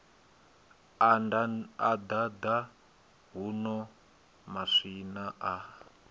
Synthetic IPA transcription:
anad̪ad̪a | ɦunɔ | maʂinaʔa

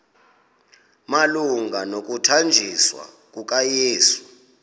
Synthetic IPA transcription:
maluŋɡʱanok̬ʼutʰand͡ʒʱiswa̰ | k̬ʼuk̬ʼajeːsu

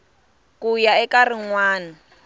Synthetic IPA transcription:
kujaɛkarɪŋwaːna

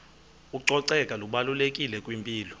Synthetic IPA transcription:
uǀɔǀɛkʼaluɓalulekʼilɛkʼwimpʼiːlɔ

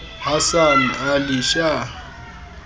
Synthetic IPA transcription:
hasan̩aliʃa

